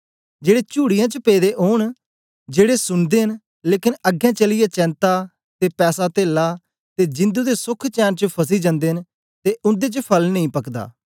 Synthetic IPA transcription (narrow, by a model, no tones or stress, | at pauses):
d͡ʒeːɽeːt͡ʃuːɽɪjãt͡ʃəpeːd̪eːʔoːɳ̃ | d͡ʒeːɽesʊnd̪eːɦən | leːkɪnəɡɛ̃ːt͡ʃəlɪjaːt͡ʃɛ̃ːnt̪aː | t̪eːpɛːsaːt̪eːlːaː | t̪eːd͡ʒɪ̃nd̪uːd̪eːsʊkʰt͡ʃɛːnt͡ʃəpʰəs̬iːd͡ʒãːnd̪eːɦn | t̪eːʔʊ̃nd̪eːt͡ʃəpʰəlnəĩːpəkd̪a̰ː